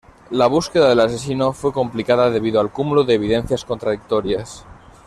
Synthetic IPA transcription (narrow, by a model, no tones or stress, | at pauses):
laβ̞uske̞ðað̞e̞lase̞sinofwe̞ko̞mplikaðaðe̞β̞iðoalkumuloðe̞ːβiðẽ̞n̟θjasko̞nt̪ɾaðik̚t̪oɾjas